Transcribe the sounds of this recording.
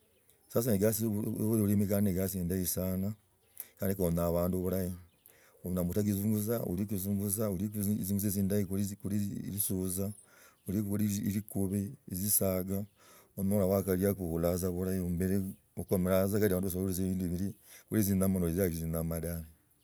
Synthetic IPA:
sas̬aneɡasβuɾeɾimikanineɡasiːndajisana | kaːndikonaβaːnduoβulaji | onamutaɡizuːŋɡuzaṵlikuzuːŋɡuzauɾikziŋɡuzeziːndajikuɾkuɾiɾisuza | uɾikukuɾiɾikuβeezisaːɡa | onolawakaɾiakukulazaβuɾajiombeɾe | okomeɾazakaɾiaβaːnduβas̬uɾezeːβiːndiβiɾikulizinamanoiziaiɾizinamadaɾe

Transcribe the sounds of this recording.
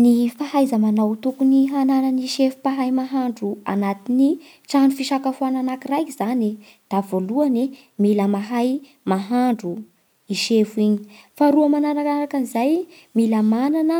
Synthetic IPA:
nifahajzəmanawt̪ukuniɦananəniʃefu̥paɦajmaɦaɳɖ͡ʐua̰nat̪ini | ʈ͡ʂanufiʃakafuananakirajkizani | d̪̥avoluani | miləmaɦaj | maɦaɳɖ͡ʐu | iʃefuiɲi̥faɾuəmananaɾaɾakanizaj | miləmananə

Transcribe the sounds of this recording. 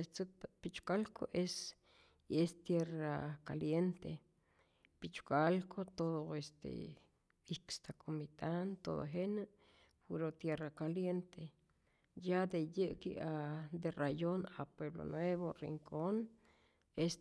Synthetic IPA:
et͡sɨpit͡ʃkalko̰ʔes | est̪jeraka̰ljent̪e | pit͡ʃkalkot̪oðoest̪ḛ | ikst̪akʰomit̪ant̪o̰ðo̰ɦena | puɾot̪jerakaljent̪ʰe | jad̪ejəʔkḭad̪erajonapweβlo̰nweβorḭŋkʰon | es

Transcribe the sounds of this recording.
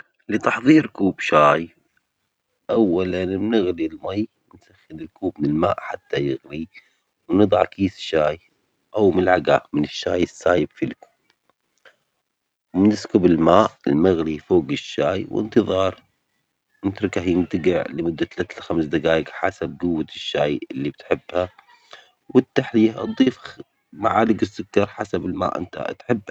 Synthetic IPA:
lɪt̪ɑħðˤiːɾkuːbʃaːj | ʔawːalannɪɣlilmajwɪnsaxːɪnɪlkuːbmɪnɪlma̰ːʔħat̪ːajɪɣɾi | wnɨd̪ˤʕɑ̰kiːsʃːaːj | ʔawmlʕaɡaʔmɪnɪʃːaːjɪsːaːjɪb̥filkuːb | wmɪnɪskʊbɪlmaːʔɪ̰lmaɣlifoːɡɪʃːaːjwɪ̰nt̪ɨðˤɑːɾˤ | nɪt̪ɾˤɪkahjɪnt̪aɡɪʕlɪmʊd̪ːat̪alat̪ːalxamsd̪aɡaːjɪɡħa̰sab̚ɡʊwːaʃːaːjɪlːibɪt̪ħɪbːha | wɪt̪ːaħlijaʔɑ̰d̪ˤiːf | maʕaːlɪɡɪsːʊkːɑɾˤħasabɪlma̰ːʔɪ̰nt̪a̰t̪ħɪbːa

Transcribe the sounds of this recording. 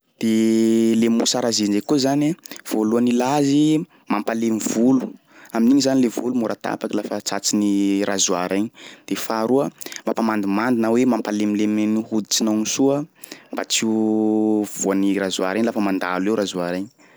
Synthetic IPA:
d̪̥elemṵsaɾazind͡ʒekuzanav̥oluənilazi | mampalemivulu | aminiɲizanilevulumuɾat̪a̰pakilafət͡sat͡sinirazuaɾaɲid̪̥efaɾuəmapamand̪imand̪inawemampalemilemnihud̪i̥t͡sinanisuəmba̰t͡siu | v̥uaniɾazua̰ɾeɲlafəmand̪alewɾazuaɾeɲi̥

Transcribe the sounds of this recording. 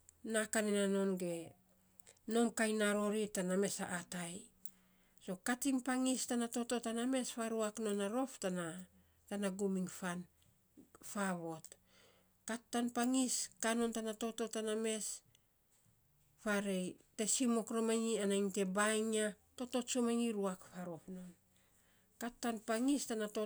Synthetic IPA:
nakanenano̞nɡe̞ | no̞mkajnaɾo̞ɾitaname̞sa̰ʔːtaj | so̞katiŋpaŋistanato̞to̞taname̞sfaɾuakno̞naɾo̞ftana | tanaɡumiŋfan | faβo̞t | katːanpaŋiskano̞ntanato̞to̞taname̞s | faɾejte̞simo̞kɾo̞maŋianaiŋte̞bajŋa | to̞to̞tsomaŋiɾuakfaɾo̞fno̞n | katːanpaŋistanato̞

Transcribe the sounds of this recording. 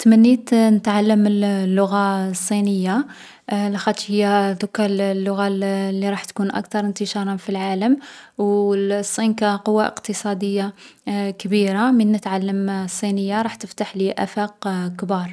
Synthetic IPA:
t̪mənːit̪nət̪ʕalːəmːəlːʊɣasˤːinəjːa | læxæt̪ʃhəjːæd̪ʊkːallːʊɣalːiɾˤɑħt̪kunʔæ̰kt̪ɑɾˤənt̪əʃɑɾˤɑfilʕaləmwsˤːinkæqʊwːaʔə̰qt̪əsˤɑd̪əjːakəbiɾamənːət̪ʕalːəmsˤːinəjːaɾˤɑħt̪əft̪aħliʔæfæqkbɑɾˤ

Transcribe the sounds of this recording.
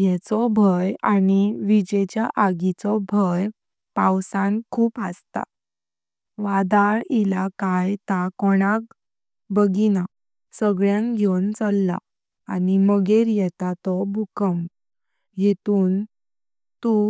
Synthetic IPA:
jɛt͡sɔbʱəjaniʋid͡ʑɛt͡ɕjaʔaɡit͡sɔbʱəj | pãwsãnkʰuːpast̪a̰ | ʋad̪aɾilakajt̪akɔɽ̃ak | bəɡina | səɡɭjãŋɡʱewnt͡səlːa̰ | animəɡeɾjɛt̪at̪ɔbʱukəm | jet̪uːn | t̪u

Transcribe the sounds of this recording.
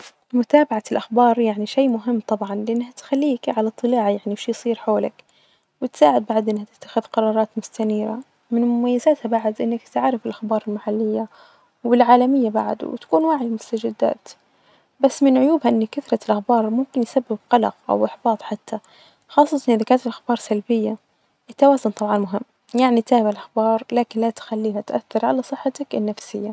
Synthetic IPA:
mʊt̪aːbaʕalʔaxbɑːɾˤjaʕniʃejːmʊɦɪmːt̪ˤɑbʕɑnlɪʔanːhat̪xalːiːkʕalat̪ˤːɨlaːʕajaʕniwʃiːjsˤiːɾħoːla̰k | wɪt̪saːʕɪd̪̚baʕd̪ʔɪnːhat̪ɪ̥t̪ːḁxɪðqɑɾˤɑːɾˤɑːt̪mʊst̪aniːɾa̰ | mɪnmʊmajːazaːt̪habaʕd̪ʔɪnːakt̪aʕɾɪfɪlʔaxbɑːɾˤɪlmaħalːɪjːa | wɪlʕaːlamɪjːaba̰ʕd̪̰wɪt̪ḁkuːnwaːʕijmʊst̪ad͡ʒɪd̪ːa̰ːt̪ | basːmɪnʕʊjuːbhaʔɪnːakaθɾˤɑlʔaxbɑːɾˤmʊmkɪnjsabːɪb̚qɑlɑ̰qʔa̰wʔɪħbɑːt̪ˤħat̪ʰːa | xɑːsˤːɑt̪ɑnʔɪðakaːnt̪ɪlʔaxbɑːɾˤsalbɪjːa | ʔɪt̪ːawaːzʊnt̪ˤɑbʕɑnmʊɦɪmː | jaʕnit̪aːhbalʔaxbɑːɾˤlaːkɪnlat̪xalːiːɦat̪ʔa̰θːɑɾˤʕalasˤɨħːat̪akɪnːafsɪjːa

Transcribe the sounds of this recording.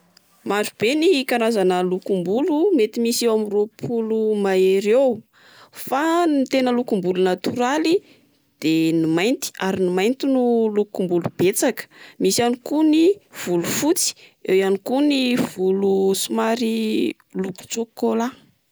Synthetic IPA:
maɾub̥eniikanazanəlukumbulumet̪imisewamiropʰulumaeɾew | fanit̪enəlukumbulunat̪uɾali | d̪̥enimajnt̪i̥aɾinimajnt̪inulukumbulub̥et͡sakə̥misanikuniv̥ulufut͡si̥ewjanikuniv̥ulusumaɾi | luku̥t͡sokola

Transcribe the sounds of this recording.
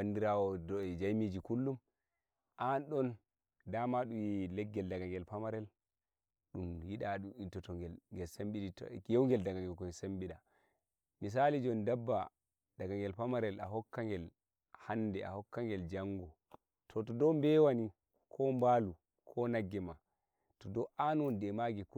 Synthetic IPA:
bandiɾawɔdɔɛd͡ʒajmid͡ʒikulːum | ʔanɗɔn | damaɗumjilɛɡːɛldaɡaŋɡɛlpamaɾɛl | ɗumjiɗaɗumitːɔtɔŋɡɛlŋɡɛlsambiɗitjɔwŋɡɛldaɡaŋɡɛkɔsambiɗa | mis̬alid͡ʒɔndabːa | d̥aɡaŋɡɛlpamaɾɛlaɦɔkːaŋɡɛl | handɛa̰hɔkːaŋɡɛld͡ʒaŋɡɔ | tʰɔtɔdɔmbɛwani | kʰɔmbalu | kʰɔnaɡːɛma | tɔdɔʔanwɔndɛmaɡɛk

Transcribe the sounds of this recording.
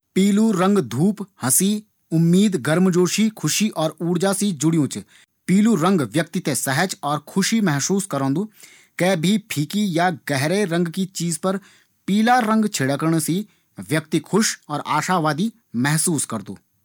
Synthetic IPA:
piːluɾɐ̃ŋɡd̪ʱuːphɐsi | ʊmːiːd̪ɡɐɾmd͡ʒoːʃikʰʊʃiʔɔːɾuːɽd͡ʒasid͡ʒʊɽijõːt͡ʃ | piːluɾə̃ŋɡʋjək̚t̪it̪esəɦəd͡ʒɔːɾkʰʊʃimɛɦsuːskɐɾõːnd̪uː | kɛːbʱipʰiːkijaɡɛɦɾeɾɐ̃ŋɡkit͡ʃiːzpɐɾ | piːlaɾə̃ŋɡt͡ʃʰɪɽəkəɾɳ̃si | ʋjɐk̚t̪ikʰʊʃɔːɾaːʃaʋaːd̪i | mɛɦsuːskɐɾd̪ṵː

